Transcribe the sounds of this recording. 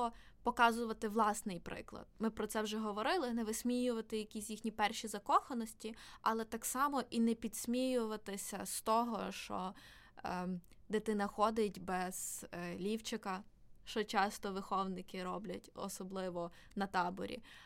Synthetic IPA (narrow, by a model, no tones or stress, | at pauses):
ɔ | pɔkɑzʊʋɐt̪ɪʋlˠɑsnɪjpɾɪ̰klˠɐ̰d̪̚mɪpɾɔt̪sɛwʒɛɦɔʋɔɾɪlˠɪnɛʋɪsʲmʲijʊʋɐt̪ɪjɐkʲisʲjixnʲipɛrʃizɐkɔxɐnɔsʲtʲiɐlˠɛt̪ɑksɑmɔʔinɛpʲid̪̥sʲmʲijʊʋɐt̪ɪsʲɐst̪ɔɦɔʃt͡ʃɔ̰ | d̪et̪ɪnɐxɔd̪ɪtʲbɛz̥lʲiwt͡ʃɪkɐʃt͡ʃɔt͡ʃɑst̪ɔʋɪxɔwnɪkɪɾɔblʲɐtʲɔ̰sɔblˠɪʋɔ | nɐt̪ɑbɔ̰ɾʲḭ